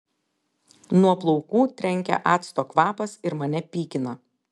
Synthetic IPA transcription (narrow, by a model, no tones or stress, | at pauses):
nuɔplˠɔʊkuːt̪ʲɾʲɛŋʲkʲɛ̰ʔɑːt̪st̪oːkʋɑːpɐsɪɾmɐnʲɛpʲiːkʲɪnɐ